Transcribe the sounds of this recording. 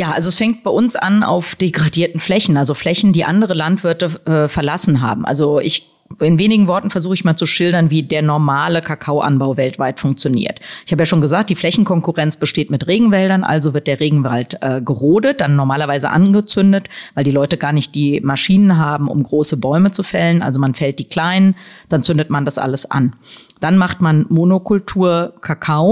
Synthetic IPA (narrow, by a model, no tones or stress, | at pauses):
jaːʔalzoɛsfɛŋt̚b̥aɪʔʊnsʔa̰na̰ʊfd̥eɡʁadiːɐtn̩flɛçn̩ʔalzoflɛçn̩diːʔandəʁ̞əlantv̥ɪɐtəʔɛːfɛɐlasn̩ɦa̰ːbm̩ʔa̰lzoʔɪ̰ç | ɪnveːnɪɡŋ̩vɔɐtn̩fɛɐzuːxəɪçmaːlt͡suʃɪldɐnviːdeːɐnɔɐmaːləkʰakʰaʊʔa̰nbaʊvɛltv̥aɪtfʊŋk̚t͡sjonḭːɐtʔɪçhaːbəjaːʃoːnɡəzaːk̚t̚d̥iːflɛçn̩kʰɔŋkuʁɛnt͡sb̥əʃteːtmɪtʁeːɡŋ̩vɛldɐnʔa̰lzovɪɐt̚d̥eːɐʁeːɡŋ̩va̰ltʔɛːɡəʁoːdət̚d̥anːɔɐmaːlɐvaɪzə̰ʔa̰nɡət͡sʏndətvaɪldiːlɔʏtəɡaːɐnɪçt̚d̥iːmaʃiːnənɦaːbm̩ʔʊ̰mɡʁoːsəbɔʏmət͡sufɛlənʔa̰lzomanfɛlt̚d̥iːkl̥aɪnənd̥ant͡sʏndətmandasʔa̰ləsʔa̰nd̥anmaχtmanmonokʰʊltʰuːɐkʰakʰaʊ